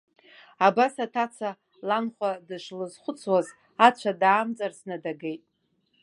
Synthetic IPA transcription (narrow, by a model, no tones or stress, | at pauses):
abasatʰat͡sʰa | lanχʷadɨʂlɨzχʷʊt͡sʰwaz | at͡ʃʷʰadaːmt͡sʼarsnɨdaɡejtʼ